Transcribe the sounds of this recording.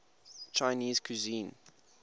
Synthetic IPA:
t͡ʃaɪniːz̥kʰuzĩːn

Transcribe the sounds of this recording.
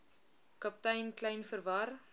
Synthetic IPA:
kɐp̚tɐjnklɐjnfəɾvɐr

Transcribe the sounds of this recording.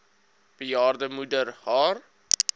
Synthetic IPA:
b̥əjɑːrdəmudərhɑːr

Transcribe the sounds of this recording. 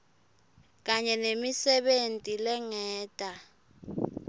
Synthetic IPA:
k̬aɲɛnemisɛɓentʼilɛŋɛːtʼa

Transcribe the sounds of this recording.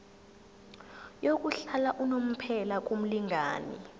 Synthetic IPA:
jok̬ʼuɬalaʔunom̩pʰɛlak̬ʼum̩liŋɡʱa̰ːnḭ

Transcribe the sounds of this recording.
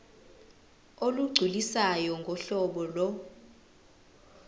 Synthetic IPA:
oluɡ͡ǀʱilisajɔŋɡʱɔɬɔɓɔlɔ

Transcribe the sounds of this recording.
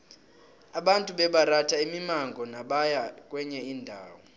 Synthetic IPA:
aɓantʼuɓɛɓaratʰaimimaŋɡʱɔnaɓajakʼwɛɲɛiːndʱaːwɔ

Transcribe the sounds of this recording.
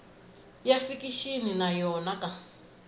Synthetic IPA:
jafikiʃininajɔnaka

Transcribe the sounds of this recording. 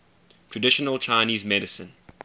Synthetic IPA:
tʰɹ̥ədɪʃənəlˠt͡ʃʰaɪniːzmɛɾɪsə̰̃n

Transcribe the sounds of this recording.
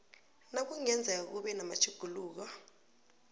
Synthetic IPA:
nak̬uŋɛnd͡zʱauk̬uɓɛnama̰t͡ʃʰuɡ̥ʱuluːk̬ɔ

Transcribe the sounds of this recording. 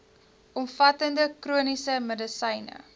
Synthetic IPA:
ɔmfɐtəndəkruənisəmədəsəjnə̰

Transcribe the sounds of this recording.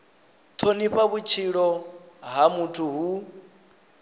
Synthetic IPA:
tʰoniɸaβut͡ʃʰiɺɔ | ɦamutʰuɦu

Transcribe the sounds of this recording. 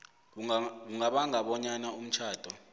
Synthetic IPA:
k̬uŋaɓaŋaɓɔɲanaum̩t͡ʃʰaːd̥ʱɔ

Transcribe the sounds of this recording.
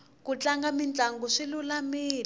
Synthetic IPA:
kut͡ɬaŋɡamint͡ɬaŋɡuʂilulamiːl

